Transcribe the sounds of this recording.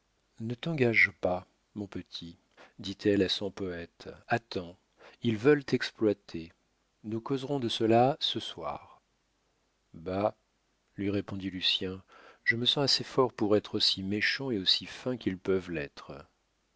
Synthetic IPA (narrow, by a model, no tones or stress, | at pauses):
nət̪ɑ̃ɡaʒpa | mɔ̃pət̪ʰi | d̪it̪ʰɛlasɔ̃pɔɛt̪at̪ɑ̃ | ilvœlt̪ɛksplwat̪ʰe | nukɔzʁɔ̃d̪əsəlasəswa̰ːʁ | ba | lɥiʁepɔ̃d̪ilysjɛ̃ʒəməsɑ̃asefɔʁpuʁɛt̪χosimeʃɑ̃eosifɛ̃kilpœvlɛt̪χə